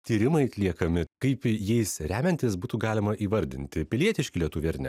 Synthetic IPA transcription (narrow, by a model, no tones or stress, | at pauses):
t̪ʲiːɾʲɪmɐɪɐt̪ʲlʲiɛkɐmʲɪkɐɪpjɛɪsɾʲæːmʲɛnʲt̪ʲɪsbuːt̪uːɡɑːlʲɪmɐʔiːʋɐɾʲd̪ʲɪnʲt̪ʲɪpʲɪlʲiɛt̪ʲɪʃʲkʲɪlʲiɛt̪uːʋʲiɛɾʲnʲɛ̰